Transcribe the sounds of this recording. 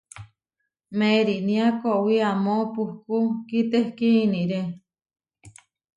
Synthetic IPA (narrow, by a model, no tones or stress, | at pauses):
mẽɾiʔnĩãkoʔwiamõpuhkukit̪ehkiinĩʔɾe